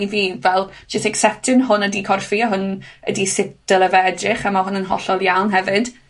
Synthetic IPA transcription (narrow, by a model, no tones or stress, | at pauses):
viːvɛlˠd͡ʒɪstɛksɛtʰɪnɦʊnədikʰɔrfiɔɦʊnə̰disɪp̚d̥əlˠəvɛɛdrɪχamahʊnənɦɔ̰ɬɔlˠjawnɦɛvɨd̥